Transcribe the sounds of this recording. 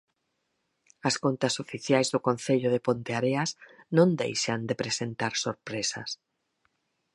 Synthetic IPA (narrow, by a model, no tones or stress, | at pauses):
askont̪asofiθjajzðʊkonθeʎʊðepont̪eaɾeaznõnd̪ḛjʃand̪epɾesent̪aɾsoɾpɾesa̰s